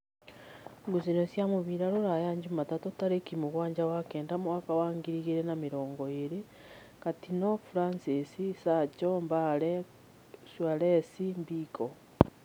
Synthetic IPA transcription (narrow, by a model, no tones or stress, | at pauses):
ɡusinosjamuβiɾaɾuɾajaɲd͡ʒumatatutaɾekimuɣwaːɲd͡ʒawakeːndamuakawaːŋɡiɾiɣiɾenamiɾoːŋɡoeɾi | katinofuɾansisisat͡ʃombale | swalesimbikʰo